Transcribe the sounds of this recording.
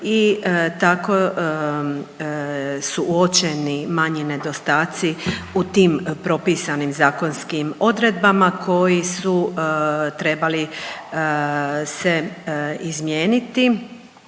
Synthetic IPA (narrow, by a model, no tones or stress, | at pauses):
it̪ako̞ | suʔuot͡ʃenimaɲine̞d̪o̞st̪aːt̪siut̪iːmpɾo̞piːsanimzaːko̞nskimo̞d̪ɾe̞d̪bamakʰo̞jisu | t̪ɾe̞bali | se̞izmjeːnit̪i